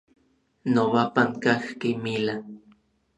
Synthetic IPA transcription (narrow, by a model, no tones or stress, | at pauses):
nowapaŋkaxkimila